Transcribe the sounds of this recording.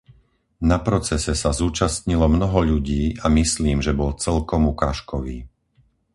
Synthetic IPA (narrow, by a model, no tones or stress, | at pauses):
napɾɔt͡sɛsɛsazuːt͡ʃast̪ɲilɔmnɔɦɔʎuɟiːʔamisliːmʒɛbɔlt͡sɛlkɔmukaːʃkɔʋḭː